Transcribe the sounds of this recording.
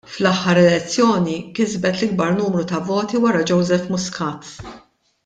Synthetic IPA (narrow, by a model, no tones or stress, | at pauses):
flɐħːɐɾɛlɛt͡sːjɔːnikɪzbɛt̪lɪɡ̚bɐɾnuːmɾut̪ɐvɔːt̪iwɐɾɐd͡ʒɔwzɛfmʊskɐːt̪